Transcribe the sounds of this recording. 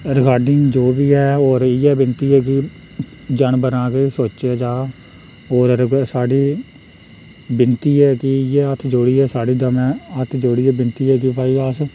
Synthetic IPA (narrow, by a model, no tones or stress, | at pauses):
ɾəkaːɖɪŋɡd͡ʒoːbiːɦɛːoːɾɪjɛːbɪnt̪iːɦɛːkɪ | d͡ʒənbənaːkesoːt͡ʃeːd͡ʒaː | oːɾɾsaːɖiː | bɪnt̪iːɦɛːkɪɪjɛːət̪ʰd͡ʒoːɽiːɛːsaːɖiːd̪əmɛ̃ːət̪ʰd͡ʒoːɽiːɛːbɪnt̪iːɦɛːkɪpaːiːaːs